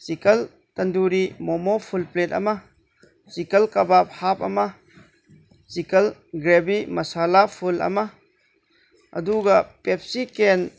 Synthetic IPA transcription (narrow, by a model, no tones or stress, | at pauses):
sikɐl | tɐnduɾimɔmɔpʰulplet̚ɐ̰mɐ | sikɐlkɐbap̚hap̚ɐmɐ | sikɐlɡɾebimɐsalapʰulɐ̰mɐ | ɐ̰duɡɐpep̚siken